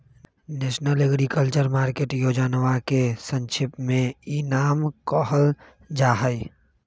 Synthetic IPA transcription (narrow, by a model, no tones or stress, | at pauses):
neːʃnəleːɡɾikəlt͡ʃəɾmaːɾkeːʈjoːd͡ʒaːnəʋakesə̃nt͡ʃʰɪpmẽinaːmkɔːɦəl | d͡ʒaːɦəj